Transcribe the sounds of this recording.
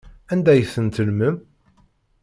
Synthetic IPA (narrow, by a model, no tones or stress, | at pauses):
ænd̪æjəθːənt̪əlməm